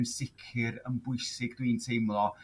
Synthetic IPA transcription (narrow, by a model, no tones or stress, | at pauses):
nsɪkʰɪɾənbʊɨsɪɡd̥wiːntʰejmlˠɔ